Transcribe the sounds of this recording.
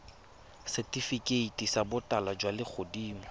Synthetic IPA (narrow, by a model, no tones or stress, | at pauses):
sɛtʼifikʼeitʼisabʊtʼalad͡ʒwalɪk͡xʰodiːmɔ